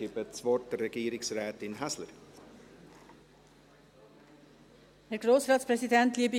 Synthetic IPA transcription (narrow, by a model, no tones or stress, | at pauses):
ɪpət̪sʋoːʈɾɛɡeːɾɪŋsɾɛːt̪ɪnɦaslə̰ɾ | hæɾɡɾoːsɾɑːt̪spʰɾɛsɪd̪ɛnt̪lɪbɪ